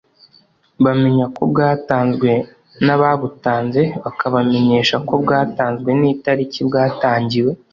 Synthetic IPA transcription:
βame̞ɲako̞bɡaːtaːnzɡwe̞ | naβaβutaːnze̞βakaβame̞ɲe̞ːʃako̞bɡaːtaːnzɡwe̞niːtaɾicibɡaːtaːɲɟiwe̞

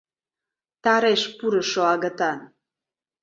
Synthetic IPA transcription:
t̪ɑɾeʃpuɾəʃoɑɣət̪an

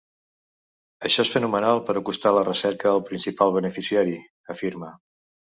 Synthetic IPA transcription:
əʃɔesfənumənalˠpəɾəkust̪alərəsɛɾkəəlˠpɾinsipalˠβ̞ənəfisiaɾi | əfiɾmə

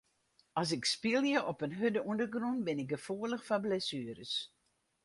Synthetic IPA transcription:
ɑs̬ɪkspilˠjəʔɔpənɦødəundərɡrɔntbɪnɪk̚ɡəfuːələxfablɛsyːəɾəs

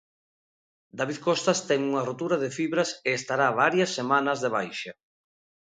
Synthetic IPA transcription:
d̪aβiðkost̪ɐst̪ɛŋuŋɐrot̪uɾɐðefiβɾɐseːst̪aɾaβaɾjɐsːemanɐzðeβ̞ajʃɐ

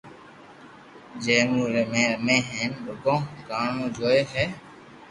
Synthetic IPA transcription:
d͡ʒeːnuːɾemẽːmẽːɦeːnbʊkõːkaːɳũːd͡ʒoːeːɦɛː

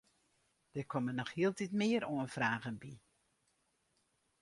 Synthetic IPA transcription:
d̥əkʰɔmənɔχhiəlˠtitmɪəɾoənfraːɣənbi

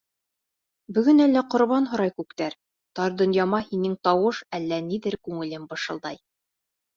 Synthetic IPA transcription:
bɵ̆ɡɵnælːæqŏɾβɑnɦŏɾɑjkʉkt̪æɾ | t̪ɑɾd̪ŏnjɑmɑhinɘŋt̪ɑwɤʃælːæniðɘɾkʉŋɘ̆lɘmbɤ̆ʃɤ̆lˠd̪ɑj

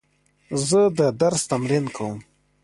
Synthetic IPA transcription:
zəd̪əd̪aɾst̪amɾinkʰawum

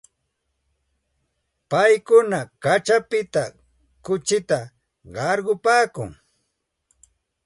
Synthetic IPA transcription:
pajkʊnakat͡ʃapɪt̪a | kʊt͡ʃɪt̪a | ɢɑɾɢʊpaːkʊ̰ŋ

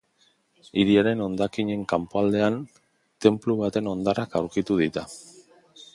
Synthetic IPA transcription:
iɾiaɾe̞no̞nd̪akiɲe̞ŋkampoald̪e̞an | t̪e̞mpluβ̞at̪e̞no̞nd̪arakawɾkit̪uð̞it̪a

